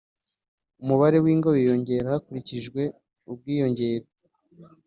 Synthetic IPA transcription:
umuβaɾe̞wiːŋɡoβijo̞ɲɟe̞ːɾahakuɾiciʒɡwe̞ | ub̚ɡiːjo̞ɲɟe̞ːɾo

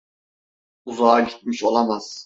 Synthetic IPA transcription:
uzaːɟit̪̚miʃo̞lˠamaz̥

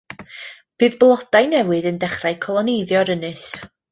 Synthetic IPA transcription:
b̥ɨːðblˠɔd̥ajnɛwɨðəndɛχraɨkʰɔlˠɔnejðjɔɾənɨs

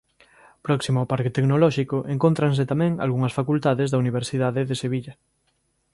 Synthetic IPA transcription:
pɾɔksimʊpaɾket̪eɡnolɔʃikoʔeŋkont̪ɾans̬et̪amɛ̃ŋa̰lɣuŋɐsfakult̪aðezðauniβ̞eɾsiðaðeðeseβiʎɐ

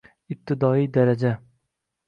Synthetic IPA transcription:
ɪb̚t̪ʰɪd̪ɒijd̪aɾad͡ʒa

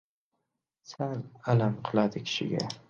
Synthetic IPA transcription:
salalamqʰɨlˠad̪ɪkʲʰɪ̥ʃɪ̰ɡʲa̰

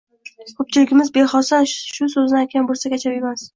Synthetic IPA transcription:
kʰɵp̚t͡ʃʰɪlɪɡʲɪmɪzbe̞χɒsanʃʊs̬ɵznɪajt̪̚ʲkʲanbolsakʲʰat͡ʃʰapemas

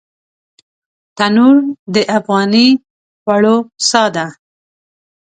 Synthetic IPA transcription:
t̪anuɾd̪əʔafɣɑni | waɭosɑd̪a

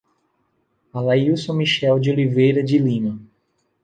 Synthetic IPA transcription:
alajusõmiʃɛld͡ʒɪolivejɾɐd͡ʒilĩmɐ

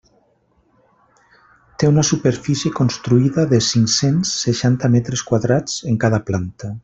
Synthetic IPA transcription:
t̪eunasupeɾfisjekonst̪ɾuiðaðesiŋsensːeʃant̪amɛt̪ɾeskwaðɾat͡seŋkaðaplant̪a

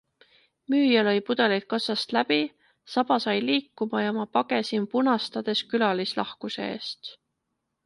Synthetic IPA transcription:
myːjɑlo̞jpud̪̥e̞lit̪̚kɑsɑst̪læbi | sɑb̥ɑsɑjliːkːˑumɑjɑmɑpɑɡe̞simpunɑst̪ɑd̪̥e̞skylɑlislɑ̰hkuse̞̰ḛːst̪

